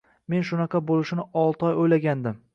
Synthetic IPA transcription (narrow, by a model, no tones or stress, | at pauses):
me̞nʃʊnɑqʰɑbolˠɪʃnɪɒlˠt̪ɒjojlaɡʲand̪ɪm